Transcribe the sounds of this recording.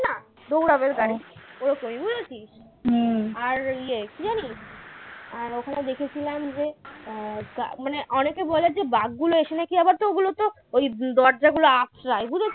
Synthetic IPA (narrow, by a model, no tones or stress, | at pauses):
na | d̪owɽabeɾɡaɾioɾokomibud͡ʑʱet͡ɕʰiʃ | aɾiekid͡ʑaniʃ | aɾokʰaned̪ekʰet͡ɕʰilamd͡ʑe | ka̰maneʔɔnekebɔleɾd͡ʑebaɡɡuloeʃenakiabaɾt̪ooɡulot̪o | ojd̪ɔɾd͡ʑaɡuloasɾajbud͡ʑʱet͡ɕʰ